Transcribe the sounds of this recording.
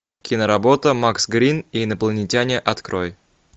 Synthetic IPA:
kʲɪnəɾɐbot̪əmaksɡɾʲininəplˠənʲɪtʲanʲɪʔɐt̪kɾoj

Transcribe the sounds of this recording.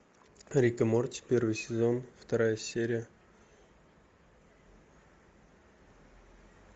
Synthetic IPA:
ɾʲikəmort̪ʲpʲervɨjsʲɪzo̞nft̪ɐɾajəsʲeɾʲɪjə

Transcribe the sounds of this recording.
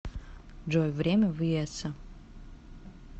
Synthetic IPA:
d͡ʒojvrʲemʲɐvɨjesɐ

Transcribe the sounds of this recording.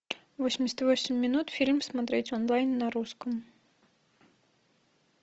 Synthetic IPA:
vosʲɪmʲɪsʲət̪vosʲɪmʲːɪnut̪fʲilʲmsmɐt̪ɾʲetʲɔnlˠajnːɐɾuskəm

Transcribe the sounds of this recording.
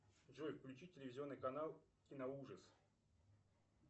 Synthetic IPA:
ʐojfklʲʉt͡ɕitʲːɪlʲɪvʲɪzʲɪo̞nːɨjkɐnalˠkʲɪnɐuʐəs

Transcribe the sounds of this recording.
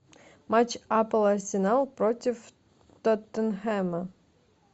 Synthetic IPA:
mat͡ɕapəlˠɐrsʲɪnalˠpɾotʲɪf | t̪ɔt̪ənxɛmə

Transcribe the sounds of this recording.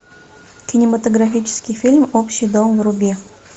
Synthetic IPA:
kʲɪnʲɪmɐt̪oɡɾafʲit͡ɕɪ̥skʲɪjfʲilʲmopɕːɪjd̪omvɾʊbʲe

